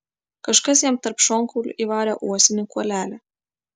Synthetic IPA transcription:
kɐʃkɐs̬jɛmt̪ɐɾpʃɔŋkulʲʊ̰ʔiːʋɑːɾʲɛʔuɔsʲɪnʲɪkuɔlʲæːlʲæ

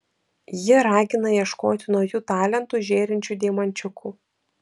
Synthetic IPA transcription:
jɪɾɑːɡʲɪnɐiɛʃkoːt̪ʲɪnɔʊjuːt̪ɑːlʲɛnt̪uˑʒʲeːɾʲɪnʲt͡ʃʲuːˑd̪ʲeːmɐnʲt͡ʃʲʊkʰuː

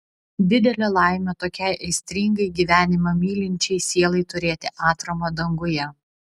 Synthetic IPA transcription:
d̪ʲɪd̪ʲɛlʲɛlˠɑˑɪmʲɛt̪oːkʲɛɪʔɐɪsʲt̪ʲɾʲɪŋɡɐɪɡʲiːʋʲæːnʲɪmɐmʲiːlʲɪnʲt͡ʃʲɛɪsʲeːlˠɐɪt̪ʊɾʲeːt̪ʲɪʔɑːt̪ɾɐmod̪ɐŋɡʊjɛ

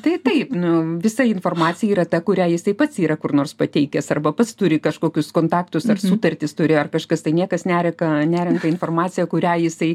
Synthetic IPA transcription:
t̪ɐɪt̪ɐɪpnʊʋʲɪsɐɪnfoːrmɑːt͡s̪ʲɪjɛiːɾɐt̪ɐkʊɾʲæːjɪsɐɪpɐt̪siːɾɐkʊrnoːrspɐt̪ʲɛɪkʲɛsɐrbɐpɐt̪st̪ʊɾʲɪkɐʃkoːkʲʊskoːnt̪ɑːkt̪ʊsɐrsut̪ɐrʲt̪ʲɪst̪ʊɾʲɪɐrkɐʃkɐst̪ɐɪnʲiɛkɐsnʲæːɾʲɛkɐnʲæːɾʲɛnk̪ɐɪnfoːrmɑːt͡sʲɪjɛkʊɾʲæːjɪsɐɪ

